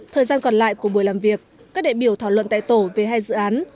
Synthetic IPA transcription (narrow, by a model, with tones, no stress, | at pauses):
t̪ʰəː˨˩zaː˧nkɔ˨˩nla̰ː˧˨jku˧˩ɓu˧˩əjlaː˨˩mvi˨˩ək̚ːaː˦˥k̚ɗḭ˧˨ɓi˧˩əwt̪ʰaː˧˩wlwə̰˧˨nt̪a̰ː˧˨jt̪o˧˩ve˨˩ɦaː˧jzɨ̰˧˨ʔaː˨˦n